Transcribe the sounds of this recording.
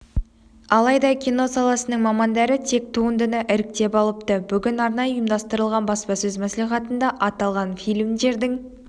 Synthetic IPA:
ɑlˠɑjd̪ɑkʲino̞sɑlˠɑsənəɴmɑmɑnd̪ɑɾət̪ʰe̞k̚t̪ʰuənd̪ənəʔɪɾɪk̚t̪e̞pɑlˠəpt̪əbʏɡʲɪnɑɾnɑjəjəmd̪ɑst̪əɾəlˠʁɑnbɑspɑsɵzmæsliχɑt̪ənd̪ɑʔɑt̪ɑlˠʁɑnfijlʲmd̪e̞ɾd̪ɪŋ

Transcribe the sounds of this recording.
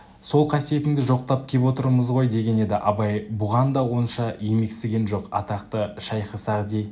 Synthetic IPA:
so̞lˠqʰɑsije̞t̪ɪŋd̪ɪʒo̞q̚t̪ɑp̚kʲʰe̞pwo̞t̪əɾməzʁo̞jd̪e̞ɡʲe̞ne̞d̪ɪʔɑbɑjbʊʁɑnd̪ɑwo̞nʃɑje̞me̞ksɪɡʲe̞nʒo̞qɑ̰t̪ɑqt̪əʃɑjqəsɑʁd̪ej

